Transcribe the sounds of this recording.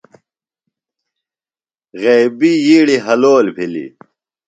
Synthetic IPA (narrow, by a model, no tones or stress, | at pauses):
ɣeːbijiːɽiɦɐloːlbʱilḭ